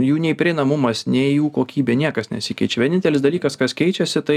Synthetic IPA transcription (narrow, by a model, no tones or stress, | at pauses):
juːnʲɛɪpʲɾʲɪnɐmʊmɐsnʲɛɪjuːkoːkʲiːbʲeːnʲiɛkɐsnʲɛ̰tsʲɪkʲɛɪt͡ʃʲɛʋʲɛnʲɪnʲt̪ʲɛlʲɪsd̪ɐlʲiːkɐskɐskʲɛɪt͡ʃʲɛsʲɪt̪ɐɪ